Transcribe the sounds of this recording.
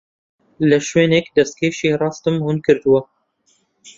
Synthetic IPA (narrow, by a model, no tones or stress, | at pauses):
lɨʃweːnɛkd̪ɛst̪̚kʰeːʃeːrɑːst̪ɨmhunkʰɨɾt̪ɨwɐ